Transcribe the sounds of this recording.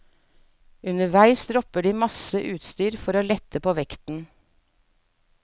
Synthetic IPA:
ʉnəʋæɪsɾɔpəɖiːmɑsəʔʉːt̪st̪yːɾfɔɾoːlɛt̪ʰəpoːʋɛkt̪n̩

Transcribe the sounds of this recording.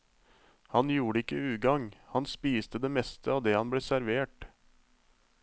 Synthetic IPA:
hɑnjuːɽəɪkəʉːɡɑŋhɑnspiːst̪əd̪eːmɛst̪əɑːʋd̪eːhɑnbleːsæɾʋeːʈ

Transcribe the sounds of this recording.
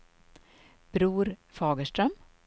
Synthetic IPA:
b̥ɾuːɾfɑːɡəʃʈɾœm

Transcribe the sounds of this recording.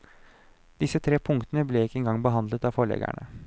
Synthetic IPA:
d̪̥ɪsət̪ʰɾeːpʰʊŋkt̪ənəblɛɪkːəɛŋɡɑŋbəɦɑnd̪lət̪ɑːʋfɔɭɛ̰ɡæ̰ɳə

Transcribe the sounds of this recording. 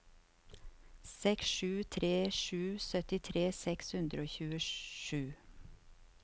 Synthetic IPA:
sɛksʃʉːt̪ʰɾeːʃʉːsœt̪ɪt̪ʰɾeːsɛkshʉnd̪ɾəoːçʉːəʃʉː

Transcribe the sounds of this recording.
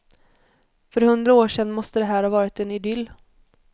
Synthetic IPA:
fœɾhɵnd̪ɾaoːʂɛnːmɔst̪əd̪ɛɦæːɾhɑvɑːɾɪt̪ɛnɪd̪ʏlː

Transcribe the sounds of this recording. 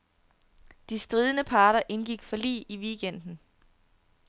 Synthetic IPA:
d̥isd̥ʁiːð̞ˠənəpʰɑ̈ːɾɐʔe̝nɡ̥iɡ̥fɒ̽lḭːʔiʋiɡ̥en̰d̥n̩

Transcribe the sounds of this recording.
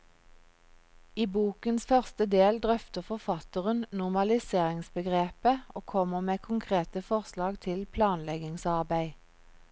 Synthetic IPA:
iːbuːkənsfœʁst̪əd̪eːld̪ʁœft̪əʁfɔʁfɑt̪əʁənnʊʁmɑlɪseːʁɪŋsbəɡʁeːpəoːkʰɔməʁmeːkʰʊŋkʰʁeːt̪əfɔʁslɑːɡt̪ʰɪlpʰlɑːnlɛɡɪŋsɑʁbæɪ

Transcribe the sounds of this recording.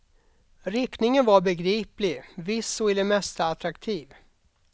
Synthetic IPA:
ɾɪknɪŋənvaɾbɛɡɾiːplɪɡvɪsːɔɪd̪ɛmɛst̪aat̪ɾakt̪ʰiːv

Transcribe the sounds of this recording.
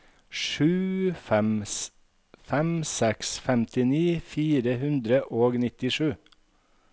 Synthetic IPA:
ʃʉːfɛms | fɛmsɛksfɛmt̪ɪniːfiːɾəhʉnd̪ɾəʔoːɡnɪt̪ɪʃʉː

